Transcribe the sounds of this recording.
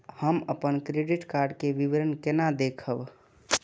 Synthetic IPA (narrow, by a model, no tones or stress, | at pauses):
həməpənkɾeɖiʈkaɾɖkeʋiʋəɾənkenad̪ekʰəb